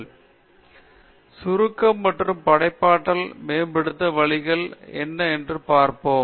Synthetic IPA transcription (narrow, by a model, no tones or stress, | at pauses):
sʊɾɯkːɐmːɐʈrɯmpɐɽɐɪpːaːʈːɐlmeːmbɛɽɯt̪ːɐʋɐɭɪɣɐɭɛ̰nːɐɛndrɯpaːɾpoːm